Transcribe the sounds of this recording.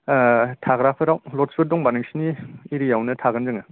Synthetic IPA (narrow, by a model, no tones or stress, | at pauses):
tʰaɡɾapʰɯɾawlɔtsbet̚dɔŋbanɯŋsiniiɾijawnɯtʰaɡɯnzɯŋa